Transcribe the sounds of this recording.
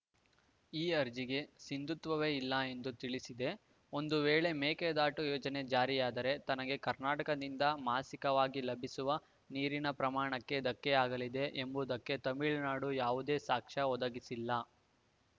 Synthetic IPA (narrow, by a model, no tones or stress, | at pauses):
iːɐɾd͡ʒiɡe̞sind̪ut̪ʋɐʋe̞ːilːɐe̞nd̪ut̪iɭisid̪e̞ | o̞nd̪uʋeːɭe̞meːked̪aːʈujɔːd͡ʒɐne̞d͡ʒaːɾijaːd̪ɐɾe̞t̪ɐnɐɡe̞kɐɾnaːʈɐkɐd̪ind̪ɐmaːsikɐʋaːɡilɐbʱisuʋɐ | niːɾinɐpɾɐmaːɳɐkːe̞d̪ɐkːeaːɡɐlid̪e̞ʔembud̪ɐkːet̪ɐmiɭnaːɽujaːʋud̪eːsaːkʂɐɔd̪ɐɡisilːɐ